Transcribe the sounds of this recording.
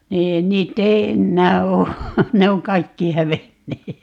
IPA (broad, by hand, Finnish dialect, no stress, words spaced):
niːn niːtː ei enːæː oː ne oŋ kɑikːi hæʋenːeː